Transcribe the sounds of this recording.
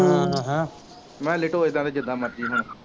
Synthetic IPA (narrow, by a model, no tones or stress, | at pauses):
ɦã | mɛ̃ːlɪʈoːeːd̪ãːd̪eːd͡ʒɪd̪aːmət̪̚ːiːɦʊnː